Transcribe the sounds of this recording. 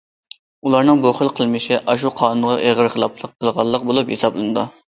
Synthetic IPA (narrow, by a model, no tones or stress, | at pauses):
ulˠɑɾnɨŋboχəlˠqʰəlˠmɪʃɪʔɑʃ̬uqʰɑːnunʁɑʔeʁəɾχəlˠɑplˠəqʰːəlˠʁɑlˠːəq̚bolˠuphesɑblˠɨnɨd̪u